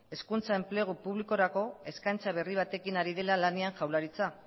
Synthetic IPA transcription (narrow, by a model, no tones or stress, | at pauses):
e̞skunt͡sae̞mple̞ɣ̞upuβliko̞ɾako̞e̞skajnt͡saβ̞e̞riβ̞at̪e̞kinaɾiðe̞lalaneaŋʝawlaɾit͡sa